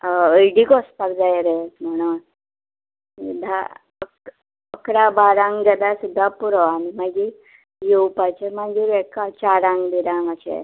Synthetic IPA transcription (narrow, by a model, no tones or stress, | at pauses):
əjɖikɔspakd͡zajɾem̤aɽ̃un | sud̪ʱa | ək | əkɾabaɾãŋɡɡəd̪asud̪ʱːapuɾɔanimaɡi | jewpat͡ɕemaɡiɾɛkat͡ɕaɾãŋɡd̪iɾãŋɡəɕḛ